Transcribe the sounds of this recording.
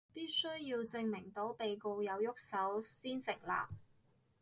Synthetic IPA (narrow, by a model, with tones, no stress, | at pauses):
piː˥t̚sɵ˥ɥjiː˧wt͡sɪ˧ŋmɪ˨˩ŋt̪o˨˥wpe˨jko˧wjɐ˨˧wjʊ˥k̚sɐ˨˥wsiː˥nsɪ˨˩ŋ̚la̰ː˨˩p̚